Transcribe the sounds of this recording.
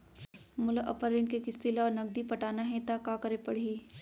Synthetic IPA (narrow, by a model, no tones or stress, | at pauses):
mʊlʔɐpəɾɪnkekɪst̪ilɔːɾnɐɡ̚d̪ipɐʈaːnaɦɛ̃t̪akakəɾepɐɽ̤iː